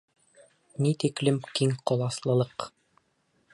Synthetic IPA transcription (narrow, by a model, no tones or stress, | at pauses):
nit̪iklɘmkiŋqɒlˠɑslˠɤ̆lˠɤq